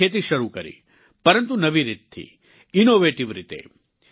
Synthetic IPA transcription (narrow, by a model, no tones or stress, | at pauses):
eːt̪̬iʃɐɾukɐɾḭ | pɐɾɐnt̪unɐʋiɾit̪ʰːḭ | inoːʋeːʈiʋɾit̪ḛː